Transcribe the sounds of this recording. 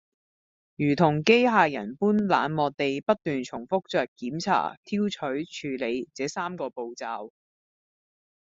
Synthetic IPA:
jyː˨˩t̪ʰʊ˨˩ŋke˥jɦaː˨˧jɐ̰˨˩npuː˥nla̰ː˨˧nmɔː˨t̚t̪e˨jpɐ˥t̚t̪yː˨nt͡sʰʊ˨˩ŋfʊ˥k̚t͡sœː˨kːiː˨˥mt͡sʰa̰ː˨˩t̪ʰiː˥wt͡ʃʰɵ˨˥ɥt͡ʃʰyː˨˧le˨˧jt͡sɛː˨˧˥saː˥mkɔː˧po˨wt͡saː˧w

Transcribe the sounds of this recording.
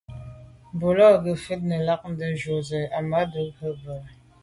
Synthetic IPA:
bo˨lɔ˦˨ɡə˨fe˦t̚nə˨la˦k̚n̩˦də˨ʒo˨zə˨a˨ma˦də˦bə˦bə˨

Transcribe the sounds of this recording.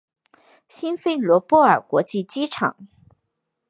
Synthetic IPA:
ɕi˥nfe˥˩ɪlwɔ˧˥pwɔ˥ə̰˞˨˩kwɔ˧˥t͡ɕi˥˩t͡ɕi˥ʈ͡ʂʰɑ̰˨˩˦ŋ

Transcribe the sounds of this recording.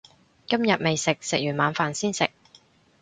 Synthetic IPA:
kɐ˥mjɐ˨t̚me˨jsɪ˨k̚sɪ˨k̚jyː˨˩nmaː˨˧˥nfaː˨nsiː˥nsɪ˨k̚

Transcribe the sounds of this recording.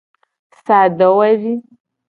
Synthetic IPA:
sa˨d̪a˨wa˦ʒi˦

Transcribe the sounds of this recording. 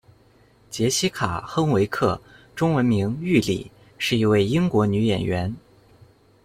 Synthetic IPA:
t͡ɕjɛ˧˥ɕi˥kʰa˨˩xɤ˥ŋwe˧˥ɪkʰɤ˥˩ʈ͡ʂʊ˥ŋwə˧˥nmi˧˥ŋy˥˩lḭ˨˩˦ | ʂɻ̩˥˩i˧˥we˥˩ɪi˥ŋkwɔ˧˥ny˧˥jɛ̰˨˩nɥɛ˧˥n

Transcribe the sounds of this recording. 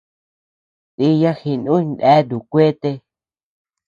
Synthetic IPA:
t̪i˧ja˦hi˧nũ˦ndɛ˦du˨kʷe˦t̪e˧

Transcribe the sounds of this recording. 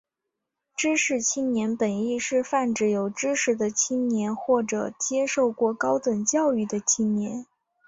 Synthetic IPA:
ʈ͡ʂɻ̩˥ʂɻ̩˥˩t͡ɕʰi˥ŋnjɛ˧˥npə˨˩ni˥˧ʂɻ̩˥˧fa˥˩nʈ͡ʂɻ̩˧˥˩jo˨˩ʊʈ͡ʂɻ̩˥ʂɻ̩˧˩d̪ə˧t͡ɕʰi˥nnjɛ˧˥nxwɔ˥˩ʈ͡ʂɤ̰˨˩t͡ɕjɛ˥ʂo˥˧ʊkwɔ˥˩kɑ˥ʊt̪wə˨˩nt͡ɕjɑ˥˧ʊy˥˩d̪ə˩t͡ɕʰi˥ŋnjɛ˧˥n

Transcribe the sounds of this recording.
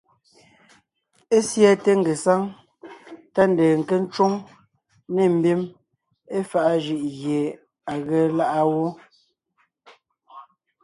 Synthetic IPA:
e˦sja˦te˦ŋ̩˨ɡe˨sa˦ŋ | ta˦n̩˨deː˨ŋ̩˨ke˦n̩˦t͡ʃwo˦ŋ | ne˨m̩˨bi˦m | e˦fa˦ʔa˦d͡ʒi˦˨ʔɣje˨ | a˨ɣe˨˦la˦ʔa˦wo˦

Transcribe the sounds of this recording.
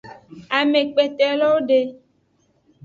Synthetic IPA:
a˨me˨k͡pe˨t̪ɛ˨lɔ˦wɖe˦

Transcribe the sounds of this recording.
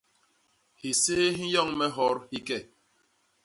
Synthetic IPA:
hi˨se˦ɦi˦jɔ˦˨ŋmɛ˦ɦɔ˨˦ɾhi˦kɛ˦˨

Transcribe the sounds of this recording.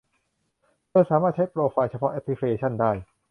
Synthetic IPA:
kɤː˧saː˩˦maː˥˩t̪̚t͡ɕʰa˦˥jpɾoː˧faː˧jt͡ɕʰa˧pʰɔ˦˥ʔɛ˦˥pʰːli˦˥kʰeː˧t͡ɕʰa˥˩ndaː˥˩j

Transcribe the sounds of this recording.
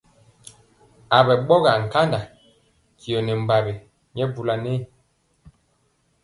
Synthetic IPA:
a˨bɛ˨ɓɔ˦ɣa˨ŋ̩˨ka˦nda˨ | ki˨o˨nɛ˨m̩˨ba˨bi˨ | ɲɛ˦bu˨la˨ne˦˨

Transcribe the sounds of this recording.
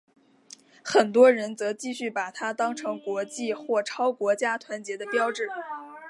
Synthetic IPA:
xə˨˩nt̪wɔ˥ɻə˧˥nt͡sɤ˧˥t͡ɕi˥˧ɕy˥˩pa˨˩t̪ʰa˥t̪ɑ˥ŋʈ͡ʂʰɤ˧˥ŋkwɔ˧˥t͡ɕi˥˧xwɔ˥˩ʈ͡ʂʰɑ˥ʊkwɔ˧˥t͡ɕja˥t̪ʰwa˧˥nt͡ɕjɛ˧˥d̪ə˧pjɑ˥ʊʈ͡ʂɻ̩˥˩

